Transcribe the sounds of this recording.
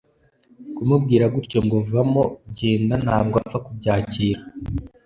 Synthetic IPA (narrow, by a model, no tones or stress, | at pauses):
kumubɡiːɾaɡuɾco̞ŋɡovamo̞bɟeːndana̰ːbɡoavakubɟaːciːɾa